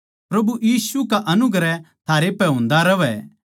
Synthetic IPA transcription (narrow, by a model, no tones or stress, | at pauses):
pɾɐbujiːsukaʔɐnʊɡɾɛt̪ʰaːɾepɛɦõːnd̪aɾɐʋɛ